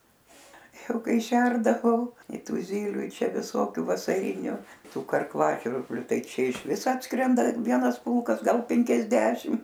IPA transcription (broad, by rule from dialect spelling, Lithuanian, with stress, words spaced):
ˈjɛʊ ˈkɐɪ ˈʃʲɛrdɐʋɐʊ ɪ ˈtʊ ˈzʲiːlʲʊ ɪ ˈt͡ʃʲɛ ʋʲɪˈsoːkʲuː ʋɐsɐˈrʲɪnʲʊ ˈtuː kɐrˈklˠɑːʒʲʋʲɪrʲbʲlʲʊ ˈtɐɪ ˈt͡ʃʲɛ ɪʃʲˈʋʲɪs ˈɑːtskrʲɛndɐ ˈʋʲiɛnɐs ˈpʊlˠkɐs ˈɡɐlˠ pʲɛŋʲkʲɛzʲˈdʲæːʃʲɪm